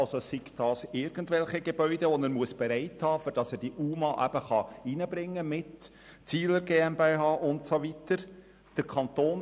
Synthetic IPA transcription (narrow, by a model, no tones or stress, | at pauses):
ɑlsosikd̥ɑːsɪɾɡ̥ən̩tvɛlχiɡeb̥œʏdeʋɔnəːɾmuəsb̥eɾæɪthɑːføɾd̥ɑsɛːɾd̥iʔuːmɑʔæ̰b̥əχɑiːnəbɾɪŋːəmɪt | t͡siːləɾɡeːɛmbeːɦɑːʔʊntsovitəɾ | d̥əɾkʰχɑnt̪oːn